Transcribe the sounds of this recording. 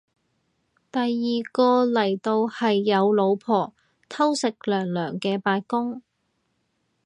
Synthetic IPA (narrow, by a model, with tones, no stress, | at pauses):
t̪ɐ˨jːiː˨kɔː˧lɐ˨˩jt̪o˧whɐ˨jːɐ˨˧wlo˨˧wpʰɔː˨˩ | t̪ʰɐ˥wsɪ˨k̚lœː˨˩ŋlœː˨˩ŋkɛː˧paː˧kʊ˥ŋ